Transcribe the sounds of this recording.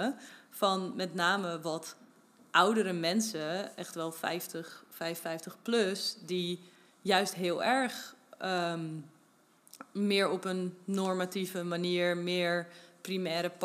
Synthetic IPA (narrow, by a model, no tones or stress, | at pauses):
fɑnmɛtnaːməʋɑt | ʔʌwdəɾəmɛnsəɛχtʋɛlˠfɛ̰jftəχfɛjffɛjftəχpløsdi | jœɥstɦɪːlˠɛɹχə | mɪːɹɔpənːɔɹmativəmaniːɹmɪːɹprimɛːɾəp